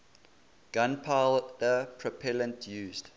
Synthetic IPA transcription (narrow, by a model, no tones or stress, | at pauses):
ɡ̥ãnpʰaɪldəpʰɹəpʰɛlə̃ntʰjuːzd̥